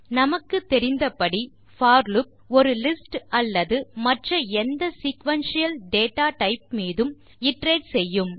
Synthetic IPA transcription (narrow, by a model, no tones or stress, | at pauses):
nɐmɐkːɯt̪ːɛɾɪnd̪ɐpɐɽi | faːɾlɯp̚ | ɔɾɯlɪsʈɐlːɐðɯmɐʈrɐɛnd̪ɐsikʋɐnsɪjɐlɖeːʈːaːʈɐɪp̚miːðɯm | ɪʈreːɖsɛjːɯm